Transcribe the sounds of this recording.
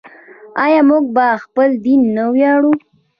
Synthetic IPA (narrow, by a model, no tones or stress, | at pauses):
ɑjɑmuɡ̚baxpəld̪inːawjɑɽu